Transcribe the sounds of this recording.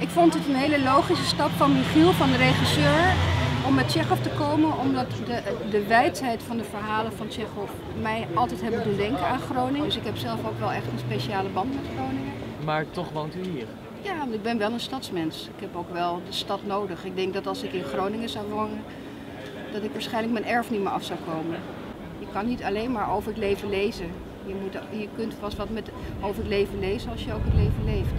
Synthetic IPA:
ɪkfɔntətənɦejləlowχisəstɑpfɑniχilˠfɑndərejχisøːɹɔmːɛt̚t͡ʃɛχɔftəkoːmənɔmdɑtdədəʋɛjtɦɛjtfɑndəfəɹɦaːləfɑntɛχɔf | mɛjɑlˠtɛjtɦɛbəndundɛŋkənaːnχrownɪŋsɪkɦɛpsɛlˠfokʋɛlˠɛχtənspeʃəaːləbɑntmɛtχrownɪŋəmaːɹtɔχʋowntyɦiːɹ | jaːʋɔntɪɡ̚bɛnʋɛlˠənstɑtsmɛnsɪkɦɛpowkʋɛlˠdəstɑtnowdəχɪɡ̚dɛŋk̚dɑtɑlˠsɪkɪnχrownɪŋəzawʋonən | d̥ɑtɪkʋaːɹsχɛjnləkmɛnɛɹfniməɹʔɑfsawkowmən | jəkɑnːitɑlejnmaːɹowvəɹətlejvənlejzən | jəmutjəkɵntpɑstʋɑtmɛt | owvəɹətlejvənlejzənɑlˠsjəowkətlejvənlejft

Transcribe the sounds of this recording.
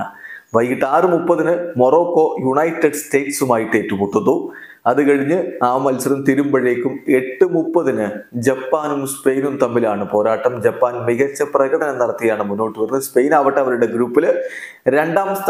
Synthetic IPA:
ʋɐjkiʈːaːrɨmupːɐðinɨmo̞ro̞ːkːo̞ːjuɳɐjtːɐɖste̞ːʈsumaːjiʈːeːtːɨpuʈːɐðu | ɐðɨkɐɻiɲːɨaːmɐlsɐɾɐmt̪iɾumbɐɻeːkʲːume̞ʈːɨmupːɐðinɨd͡ʑɐpːaːnumspe̞jnumt̪ɐmːilaːɳɨpo̞ːɾaːʈːɐmd͡ʑɐpːaːnmiɣɐt͡ɕːɐprɐɣɐɽɐnɐmnːɐɽɐt̪ːijɐjaːɳɨmunːo̞ːʈːɨʋɐrnːɨspe̞jnaːʋɐʈːeɐʋɐɾuɽe̞ɡɾuːpːil | ɾe̞ɳɖaːmst̪

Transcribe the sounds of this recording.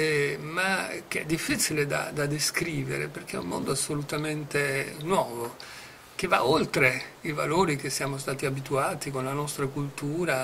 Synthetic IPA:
ɛmakeɛ̰d̪ːifːit͡ʃiled̪a̰d̪ad̪eskɾiːvḛɾḛperk̟eɛ̰ummo̰nd̪oasːolut̪ament̪enwɔːvo | k̟eva̰olt̪ɾeiva̰loːɾik̟esːjaːmost̪aːt̪iabit̪uaːt̪ikonlanɔst̪ɾakult̪uːɾa

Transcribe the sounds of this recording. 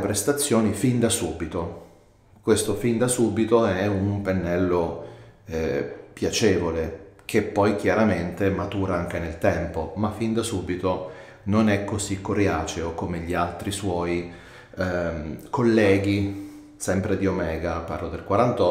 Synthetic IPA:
pɾest̪at̪sːjoːnifind̪asuːbit̪o | kwest̪ofind̪asuːbit̪oɛumpenːɛlːo | ɛpjat͡ʃeːvolek̟ʰepːɔjk̟jaɾament̪emat̪uːɾaaŋk̟enelt̪ɛmpomafːind̪asuːbit̪o | nonɛkːozikːoɾjaːt͡ʃeokomeʎialt̪ɾiswɔi | kolːɛːɡ̟i | sɛmpɾed̪iomɛːɡapa̰rlod̪elkwaɾant̪ɔ

